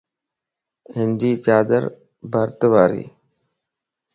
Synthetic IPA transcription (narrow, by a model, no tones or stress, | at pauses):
ɪnd͡ʒiːt͡ʃaːd̪ə̰ɾ | bəɾt̪əʋaːɾḭː